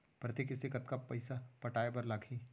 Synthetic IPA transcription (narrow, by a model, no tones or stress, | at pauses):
pɾɐt̪ekɪsɪkət̪kapɐɪsapɐʈaːebɐɾlaːkʰiː